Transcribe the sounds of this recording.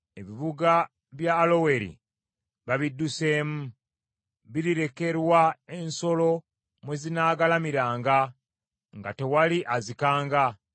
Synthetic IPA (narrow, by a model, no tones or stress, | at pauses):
e̞βiβuɡa | βjaːlo̞we̞ɾḭ | βaβidːuse̞ːmu | βiɾiɾe̞ke̞ɾwae̞nso̞lo̞ | mwe̞zinaːɡalamiɾaːŋɡa | ŋɡa̰te̞waliʔazikaːŋɡa